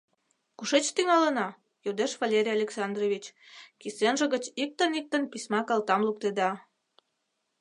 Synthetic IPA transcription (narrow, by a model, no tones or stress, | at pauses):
kuʃet͡ɕt̪yŋɑlənɑ | jod̪eʃvalʲeɾʲijalʲeksɑnd̪roβit͡ɕkisenʒə̆ɣət͡ɕik̚t̪ənik̚t̪ənpisʲmɑkɑlt̪ɑmluk̚t̪ed̪ɑ